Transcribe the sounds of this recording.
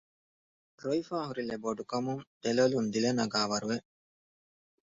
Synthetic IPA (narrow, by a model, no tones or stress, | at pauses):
ɾoifaːɦuɾileboɖukɐmuŋd̪elolund̪ilenɐɡaːʋɐɾuʋe